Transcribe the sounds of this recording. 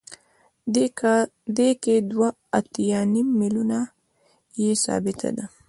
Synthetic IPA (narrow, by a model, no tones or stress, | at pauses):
d̪eked̪waːt̪janimːiluna | jesa̰ːbɪt̪ʰa̰d̪a